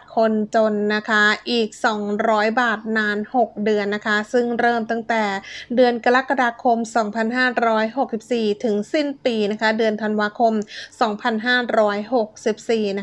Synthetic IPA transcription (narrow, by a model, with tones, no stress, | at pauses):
kʰo˧nt͡ɕo˧nːa˦˥kʰa˦˥ʔiː˨˩k̚sɔː˩˦ŋɾɔː˦˥jbaː˨˩t̪̚naː˧nho˨˩k̚dɯ˧ənːa˦˥kʰa˦˥sɯ˥˩ŋɾɤː˥˩mt̪a˥˩ŋt̪ɛː˨˩dɯ˧ənka˧ɾa˦˥kːa˧daː˧kʰo˧msɔː˩˦ŋpʰa˧nɦaː˥˩ɾɔː˦˥jho˨˩k̚si˨˩p̚siː˨˩t̪ʰɯ˩˦ŋsi˥˩npiː˧na˦˥kʰa˦˥dɯ˧ənt̪ʰa˧nwaː˧kʰo˧msɔː˩˦ŋpʰa˧nɦaː˥˩ɾɔː˦˥jho˨˩k̚si˨˩p̚siː˨˩na˦˥